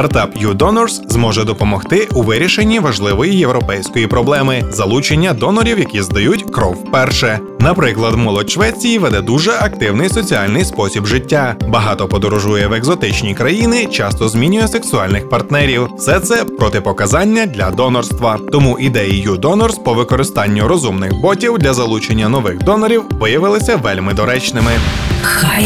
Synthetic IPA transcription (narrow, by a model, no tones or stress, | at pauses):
t̪ɐrt̪ɑpjud̪ɔnɔrszmɔʒɛd̪ɔpɔmɔxt̪ɪuʋɪɾʲiʃe̞nʲːiʋɐʒlˠɪʋɔjijewɾɔpɛjsʲkɔjipɾɔblˠɛmɪzɐlˠut͡ʃenʲːɐd̪ɔnɔɾʲiwjɐkʲizd̪ɐjutʲkɾɔwpɛrʃɛ | nɐpɾɪklˠɐd̪mɔlˠɔt̪ʲʃʋɛt͡sʲijiʋɛd̪ɛd̪uʒɛʔɐk̚t̪ɪwnɪjsɔt͡sʲiɑlʲnɪjspɔsʲibʒɪtʲːabɐɦɑt̪ɔpɔd̪ɔɾɔʒujɛweɡzɔt̪ɪt͡ʃnʲikɾɐjinɪt͡ʃɑst̪ɔzmʲinʲʊjɛseksʊɑlʲnɪxpɐrt̪nɛɾʲiwsɛt̪sɛpɾɔt̪ɪpɔkɐzɑnʲːɐd̪ʲlʲɐd̪ɔnɔrst̪ʋɐt̪ɔmuʔid̪ɛjijud̪ɔnɔrspɔʋɪkɔɾɪst̪ɑnʲːʊɾɔzumnɪxbɔtʲiwd̪lʲɐzɐlˠut͡ʃenʲːɐnɔʋɪxd̪ɔnɔɾʲiwʋɪjɐʋɪlˠɪsʲɐʋɛlʲmɪd̪ɔɾɛt͡ʃnɪmɪ